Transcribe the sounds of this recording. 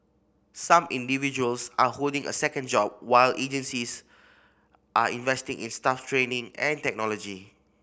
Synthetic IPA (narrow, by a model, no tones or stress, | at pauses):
sãmĩndivid͡ʒuəlsaholdɪ̃ŋə̰sɛkə̃nd͡ʒɔp̚waɪlʔed͡ʒə̃nsis | ʔaĩnvɛstɪ̃ŋʔḭ̃nstaftʰɹẽnĩŋɛ̰̃ntɛk̚nɔlɔd͡ʒi